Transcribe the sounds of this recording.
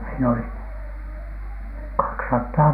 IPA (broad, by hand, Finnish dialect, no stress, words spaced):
siːn oli kɑksɑtːɑː